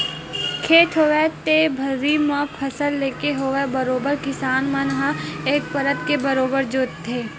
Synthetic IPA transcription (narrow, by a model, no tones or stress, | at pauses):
kʰeːʈʰɦoːʋet̪ebʱəɾimə̃pʰɐsəlːeːkeɦoʋebəɾoːbəɾkɪsaːnmə̃nɦãeːk̚pəɾət̪kebəɾoːbəɾd͡ʒoːt̪ʰːeː